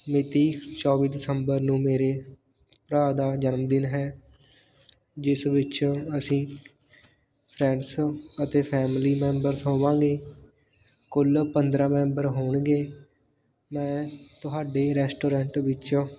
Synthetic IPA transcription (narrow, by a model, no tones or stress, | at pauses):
mɪt̪iːt͡ʃɔːʋiːd̪ɪsəmbəɾnũːmeːɾeː | pɾaːd̪aːd͡ʒənmd̪ɪnɦɛː | d͡ʒɪsʋɪt͡ʃːəsĩː | pʰɾɛ̃ɳɖsət̪eːpʰɛːmliːmɛ̃ːmbəɾsɦõːʋãːɡeː | kʊlpənd̪ɾãːmɛ̃ːmbəɾɦoːɳɡeː | mɛ̃ːt̪ʊɦaːɖeːɾɛːsʈoːɾɛ̃ːɳʈʋɪt͡ʃː